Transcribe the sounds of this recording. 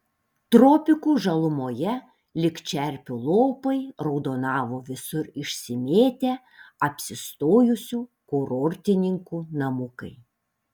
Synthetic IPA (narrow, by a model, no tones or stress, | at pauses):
t̪ɾopʲɪkuːʒɐlˠʊmoːjɛ | lʲɪkt͡ʃʲɛɾʲpʲʊlˠoːpɐɪɾɒʊd̪oːnɑːʋoːʋʲɪsʊɾɪʃʲsʲɪmʲeːt̪ʲe | ɐpʲsʲɪst̪oːjʊsʲuːkoɾoːɾʲt̪ʲɪnʲɪŋkuːnɐmʊkɐ̰ɪ